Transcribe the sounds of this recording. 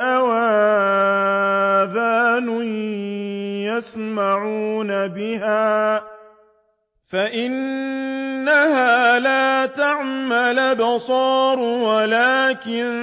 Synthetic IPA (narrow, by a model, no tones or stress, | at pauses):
ʔawaː | ðaːnʊn | jasmaʕuːnabɪɦaː | faʔɪnː | ahaːlaːt̪aʕmalbɑsˤɑːɾˤwalaːkɪn